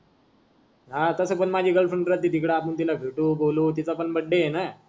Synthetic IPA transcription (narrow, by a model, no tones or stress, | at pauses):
ɦat̪əsəpəɳmad͡ʑʱiːɡəlfʰəɳɖɾat̪̚ːid̪ikɽaːpənt̪ilaɡʱiʈuːboluːt̪̬it͡sapəɳbəɽːeena